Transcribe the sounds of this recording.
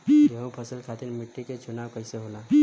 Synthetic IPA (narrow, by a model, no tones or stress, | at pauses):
jeɦõpʰəsəlkʰat̪iɾmiʈːiket͡ʃunawkəɪseɦola